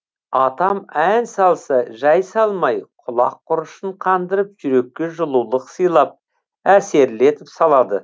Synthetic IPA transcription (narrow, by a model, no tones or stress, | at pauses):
ɑt̪ɑmænsɑlˠsɑʒɑjsɑlˠmɑjqʰʊlˠɑqʰːʊɾʊʃəɴqʰɑnd̪əɾəp̚ʒ̥ʏɾe̞kʲːe̞ʒʊlˠulˠəqsəjlˠɑp̚ | æse̞ɾle̞t̪ɪpsɑlˠɑd̪ə